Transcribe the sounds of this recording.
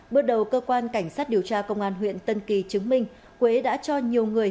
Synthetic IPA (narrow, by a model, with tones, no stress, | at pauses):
ɓɨ˦˥ək̚ɗə˨˩wkəː˧kwaː˧nka˧˩jŋ̟saː˦˥t̚ɗi˨˩əwt͡ɕaː˧kə˧wŋ͡mʔaː˧nɦwḭ˧˨ənt̪ə˧nki˨˩t͡ɕɨ˨˦ŋmï˧ŋ̟ | kwe˨˦ɗa̰ː˧˥t͡ɕɔ˧ɲi˨˩əwŋɨ˨˩əj